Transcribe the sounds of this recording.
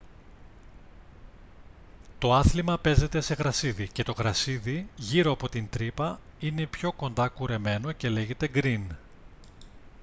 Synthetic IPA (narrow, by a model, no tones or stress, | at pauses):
t̪o̞ɐθlimɐpe̞ze̞t̪e̞se̞ɣɾɐsiðice̞t̪o̞ɣɾɐsiðiʝiɾo̞ɐpo̞t̪int̪ɾipɐine̞pço̞ko̞nd̪ɐkuɾe̞me̞no̞ce̞le̞ʝe̞t̪e̞ɡɾin